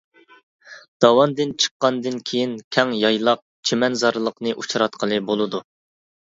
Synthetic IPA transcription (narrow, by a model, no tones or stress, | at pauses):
d̪̥ɑwɑnd̪ɨnt͡ʃʰə̥qːɑnd̪ɨnkʲʰejinkʲʰɛŋjɑjlˠɑq̚t͡ʃʰemɛnzɑɾlˠəqnɨʔut͡ʃʰɾɑt̪qʰəlˠɨbolˠɨd̪u